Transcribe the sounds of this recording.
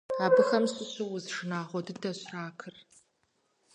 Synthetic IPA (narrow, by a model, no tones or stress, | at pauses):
aːbɨxɐmɕʼɪɕɪwʊzʂɨnaːʁʷɔdɨndɐɕʼraːkʰɨr